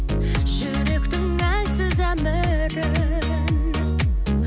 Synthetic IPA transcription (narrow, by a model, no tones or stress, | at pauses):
ʒʏɾekʲt̪ɪŋæjsɪzæmə | ɾɪ | n